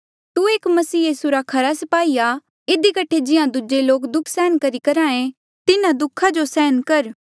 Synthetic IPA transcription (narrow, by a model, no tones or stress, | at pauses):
t̪ueːkmɐsiːjiːsuɾakʰɐɾasɐpaːia | ɪd̪ikəʈʰed͡ʒɪãd̪ud͡ʒeloːkd̪ʊkʰsɛːnkɐɾikɐɾãːẽ | t̪ɪnãd̪ʊkʰad͡ʒosɛːənkɐɾ